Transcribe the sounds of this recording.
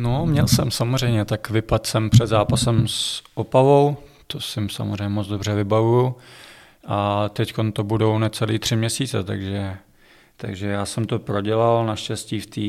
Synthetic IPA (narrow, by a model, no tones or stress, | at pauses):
nomɲɛlsɛmsamozr̝ɛjmɲɛt̪akvɪpat̪sɛmpr̝̥ɛd̪zaːpasɛmsʔopavo̞w | t̪osɪmsa̰mozrɛjɲɛmod͡zdobr̝ɛvɪbavuju | ʔat̪ɛcko̞nt̪o̞budo̞wnɛt͡sɛliːt̪r̥ɪmɲɛsiːt͡sɛ̰t̪a̰ɡʒɛ | t̪a̰ɡʒɛjaːsɛmt̪o̞pɾo̞ɟɛlalnaʃcɛsciːft̪iː